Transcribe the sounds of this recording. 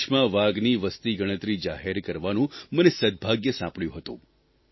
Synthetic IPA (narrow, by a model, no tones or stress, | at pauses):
ʃmãʋaɡniʋəst̪iɡəɽ̃ət̪ɾid͡ʒaɦeɾkəɾʋanũmənesəd̪̚bʱaɡjəsãpɭjũɦət̪ṵ̃